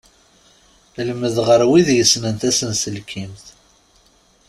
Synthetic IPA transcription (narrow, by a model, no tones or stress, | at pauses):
ləməðʁəɾwiðjəsnənt̪æsənsəlkʰimθ